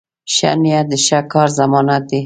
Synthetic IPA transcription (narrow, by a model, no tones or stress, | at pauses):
ʃa̰nijad̪əʃakɑɾzamɑnat̪̚d̪i